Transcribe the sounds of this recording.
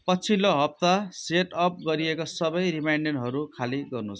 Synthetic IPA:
pʌt͡sʰiloɦʌp̚t̪aseʈʌp̚ɡʌɾiekosʌbʌjɾimajnɖenɦʌɾukʰaliɡʌrnut͡sʰ

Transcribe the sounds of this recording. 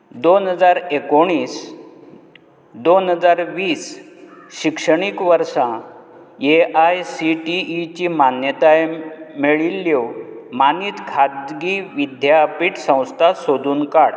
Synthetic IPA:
d̪onɦəd͡zaɾekoɽ̃iːs | d̪onɦəd͡zaɾʋiːs | ɕikʂəɳ̃ikʋəɾʂã | eʔajsiʈiːt͡ɕimanjət̪ajmeɭilːewmaniːt̪kʰad̪ɡiʋid̪ʱjapiʈsə̃w̃st̪ʰasod̪uːnkaɽ

